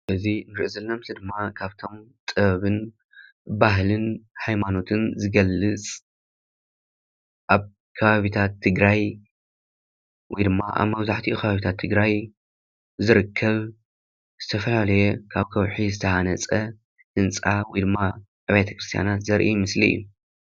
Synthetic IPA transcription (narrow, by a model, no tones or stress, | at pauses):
ʔɨzinɾɨʔzɨlnɐmsɨd̪ɨmːakʰaβt̪ʰo̞mt̪ʼɨββɨn | baɦlɨnhajmano̞t̪ʰɨnzɨɡɐlːɨt͡sʼ | ʔaβ | kʰɐβaβit̪ʰat̪ʰːɨɡɾaj | wɔjd̪ɨmːaʔa̰βmɐβzaħt̪ʰiukʰɐβaβit̪ʰat̪ʰːɨɡɾaj | zɨɾɨkʰːɐβ | z̥ɨt̪ʰɐfɐlalɐjekʰaβkʰɐwħizɨt̪ʰɐhanɐt͡sʼɐ | ʔɨnt͡sʼawɔjd̪ɨmːa | ʕɨβajt̪ʰɐ̥kɾɨst̪ʰja̰nat̪zɐɾʔimɨsliɨ̰jːu